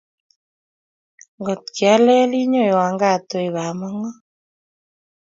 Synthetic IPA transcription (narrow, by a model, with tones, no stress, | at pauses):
ŋɡɔ˨t̪̚ki˨a˦lɛ˦li˦ɲo˦˨i˨wa˨ŋɡa˦˨t̪ɔ˨i˨βa˨ma˦ŋɔ˦